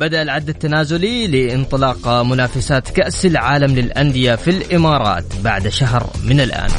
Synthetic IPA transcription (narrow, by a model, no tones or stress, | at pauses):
bad̪aʔlʕad̪ːat̪ːanaːzʊlilɪʔɪnt̪ˤɨlɑːqmʊnaːfasaːt̪kaʔsalʕaːlamlɪlʔand̪ɪjafilʔɪmɑːɾˤɑ̰ːt̪baʕd̪ʃaɦɾmɪnɪlʔa̰ːn